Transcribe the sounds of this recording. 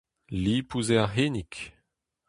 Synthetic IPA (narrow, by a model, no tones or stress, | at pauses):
lipʰuzɛʁɦenik